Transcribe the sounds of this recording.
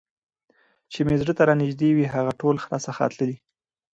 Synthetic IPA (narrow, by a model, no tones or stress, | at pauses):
t͡ʃemezɖət̪aɾɑnɪʒd̪ewiɦaɣaʈolxɾɑsaxa̰t̪ləli